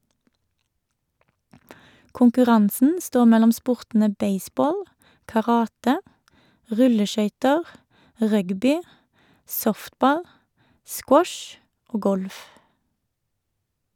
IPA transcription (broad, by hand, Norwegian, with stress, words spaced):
kʊŋkʉˈʁɑnsn̩ ˈstoː ˈmɛlɔm ˈspʊʁtn̩ə ˈbeɪˌsboːl kɑˈʁɑːtə ˈʁʉləˌʃœʏtəʁ ˈʁœɡbɪ ˈsɔftˌbɑl ˈskwɔʃ ˈoː ˈɡɔlf